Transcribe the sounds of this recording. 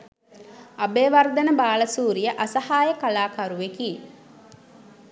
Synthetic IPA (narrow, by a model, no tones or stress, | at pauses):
ɐbeːʋɐɾd̪ɐnəbaːlɐsuːɾijəʔɐsɐhaːjəkalaːkɐɾuʋekiː